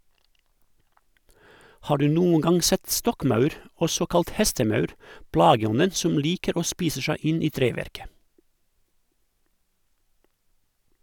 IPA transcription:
ˈhɑː ˈɖʉː ˈnuːəŋ ˈɡɑŋ ˈsɛt ˈstɔkˌmɑʉɾ ˈɔsɔ ˈkɑlt ˈhɛstəˌmɑʉɾ ˈplɑːɡəˌɔnən ˈsɔm ˈliːkəɾ ˈoː ˈspiːsə ˈʃæɪ ˈɪn ˈiː ˈtɾeːˌʋæɾkə

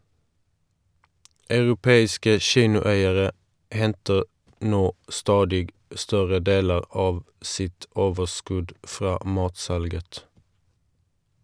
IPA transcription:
ɑʉʁʊˈpeːɪskə ˈʃiːnʊˌæɪəʁə ˈhɛntəʁ ˈnoː ˈstɑːdɪɡ ˈstœʁə ˈdeːlə ˈɑːʋ ˈsɪt ˈoːʋəʁˌskʉd ˈfʁɑː ˈmɑːtˌsɑlɡət

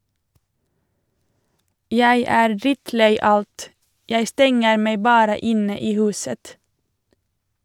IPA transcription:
ˈjæɪ ˈæːɾ ˈdɾɪtˌleɪ ˈɑlt ˈjæɪ ˈstɛŋəɾ ˈmeɪ ˈbɑːɾə ˈɪnə ˈiː ˈhʉːsət

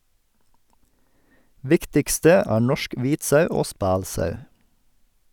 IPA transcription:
ˈʋɪktɪkstə ˈæː ˈɳɔʃk ˈʋiːt ˈsœʉ ˈoː ˈspæːlˌsœʉ

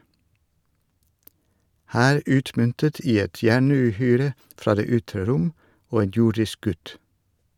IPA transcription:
ˈhæːɾ ˈʉːtmʏntət ˈiː ˈɛt ˈjæɳʉːˌhyːɾə ˈfɾɑː ˈdeː ˈʏtɾə ˈɾʊm ˈoː ˈeːn ˈjʊɖɪsk ˈɡʉt

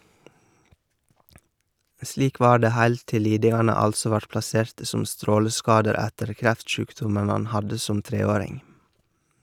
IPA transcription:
ˈsliːk ˈʋɑː ˈɖeː ˈhæɪl ˈtɪl ˈliːdɪŋɑnə ˈɑlsɔ ˈʋɑɾt plɑˈseːɾtə ˈsʊm ˈstɾoːləˌskɑːdəɾ ˈætəɾ ˈkɾæftˌʃʉːkdʊmən ˈɑn ˈhɑdə ˈsʊm ˈtɾeːˌoːɾɪŋ

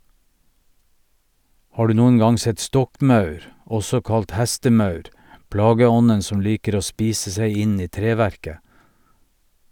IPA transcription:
ˈhɑː ˈɖʉː ˈnuːən ˈɡɑŋ ˈsɛt ˈstɔkˌmɑʉɾ ˈɔsɔ ˈkɑlt ˈhɛstəˌmɑʉɾ ˈplɑːɡəˌɔnən ˈsɔm ˈliːkəɾ ˈoː ˈspiːsə ˈsæɪ ˈɪ ˈniː ˈtɾeːˌʋæɾkə

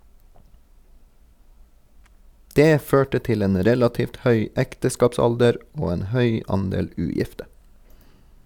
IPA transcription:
ˈdeː ˈføːʈə ˈtɪl ˈeːn ˈɾɛlɑtiːft ˈhœʏ ˈɛktəˌskɑːpˌsɑldəɾ ˈoː ˈeːn ˈhœʏ ˈɑndeːl ˈʉːˌjɪftə

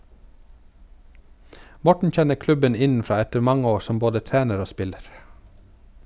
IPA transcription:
ˈmɔʈɳ̩ ˈc͡çɛnə ˈklʉbən ˈɪnn̩ˌfɾɑː ˈɛtəɾ ˈmɑŋə ˈoː ˈsɔm ˈboːdə ˈtæːnəɾ ˈoː ˈspɪləɾ

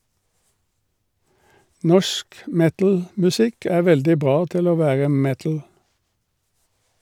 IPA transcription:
ˈnɔʃk ˈmɛtl̩mʉˌsɪk ˈæː ˈʋɛldɪ ˈbʁɑː ˈtɪl ˈoː ˈʋæːʁə ˈmɛtl̩

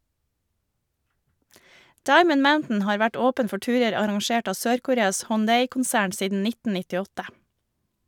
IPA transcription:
ˈdɑɪmən ˈmaʊntn̩ ˈhɑːɾ ˈʋæʈ ˈoːpən ˈfɔ ˈʈʉːɾəɾ ɑɾɑŋˈʃeːʈ ˈɑː ˈsøːɾkʊˌɾeːɑs hɔnˈdeɪkʊnˌsæːɳ ˈsiːdn̩ ˈnɪtn̩ nɪtɪˈɔtə

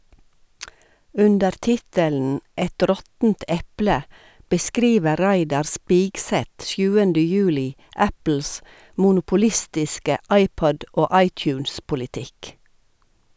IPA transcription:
ˈʉndəɾ ˈtɪtəln̩ ˈɛt ˈɾɔtn̩t ˈɛplə bəˈskɾiːʋə ˈɾæɪdɑɾ ˈspiːɡˌsɛt ˈsjʉːəndə ˈjʉːlɪ ˈæpl̩s mʊnʊpʊˈlɪstɪskə ˈɑɪˌpɔd ˈoː ˈɑɪˌtjʉːnspʊlɪˌtɪk

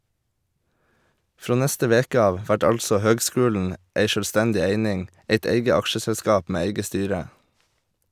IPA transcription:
ˈfɾoː ˈnɛstə ˈʋeːkə ˈɑːʋ ˈʋæʈ ˈɑlsɔ ˈhøːɡˌskʉːln̩ ˈeɪ ʃœlˈstɛndɪ ˈeɪnɪŋ ˈeɪt ˈeɪɡə ˈɑkʃəsɛlˌskɑːp ˈmeː ˈæɪɡə ˈstyːɾə

